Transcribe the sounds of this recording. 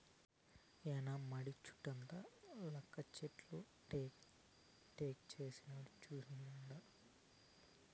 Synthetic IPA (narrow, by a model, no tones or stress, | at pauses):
ɛnamɐɽit͡ʃu̥ʈːɐnt̪ɐlɐkːɐt͡ʃeʈlu | ʈː | ʈeːkt͡ʃeːsinɐɽit͡ʃuːsinuɳɖa